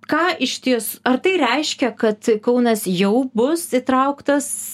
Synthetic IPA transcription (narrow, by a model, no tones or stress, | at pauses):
kɑːʔɪʃʲt̪ʲiɛsɐrt̪ɐɪɾʲɛɪʃʲkʲɛkɐt̪kɐʊnɐsjɛʊbʊsit̪ɾɐʊkt̪ɐs